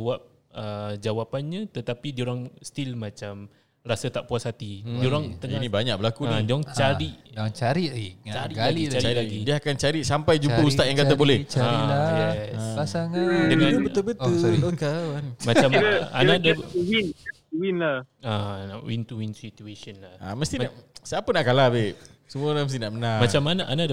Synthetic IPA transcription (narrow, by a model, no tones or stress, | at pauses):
awap̚ | əd͡ʒawapanɲat̪ət̪apidioɾaŋst̪ilmãt͡ʃam | rasat̪aʔpuashat̪idioɾaŋt̪əninibaɲak̚bəlakunadaŋt͡ʃaɾiʔat͡ʃaɾiʔet͡ʃaɾiait͡ʃaɾilaɡidiaakant͡ʃaɾiʔsampajd͡ʒuəust̪atʔjaŋkat̪abolɛht͡ʃaaiajɛasaŋaəãnəbəʊlbət̪uokaanmaamanadawin | uwinla | aawint̪uwinsit̪uesənlaha̰məst̪iasapənaʔkalahbeʔ̚səmuaoɾaŋməst̪inaʔmənamat͡ʃamːanaʔanad